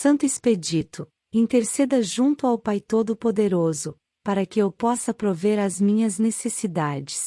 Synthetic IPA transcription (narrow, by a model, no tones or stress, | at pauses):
sɐ̃nt̪ʊesped͡ʒit̪ʊ | ĩnt̪eɾsed̪ɐʒũnt̪ʊawpajt̪od̪ʊpod̪eɾozʊ | paɾɐkɪewpɔsɐpɾoveɾɐzmĩɲɐznesesid̪ad͡ʒɪs